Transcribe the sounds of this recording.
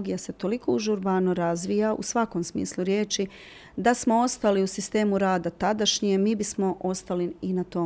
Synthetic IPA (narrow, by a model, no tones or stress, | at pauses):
ɡijase̞t̪o̞liko̞uʒuɾbanoɾazʋijaʔṵsʋako̞msmḭːslˠuɾje̞ːt͡ʃi | d̪asmo̞o̞st̪aliusist̪e̞ːmuɾaːd̪at̪ad̪aʃɲiemiːbismo̞ʔost̪aliinat̪o